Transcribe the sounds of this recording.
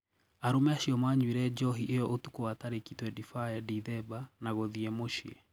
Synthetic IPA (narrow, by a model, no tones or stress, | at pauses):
aɾumɛaʃiɔmaɲwiɾɛd͡ʒɔɦiʔejɔʔotukuwataɾekitwɛdifajadiðɛbanaɣɔðiɛmoʃḭɛ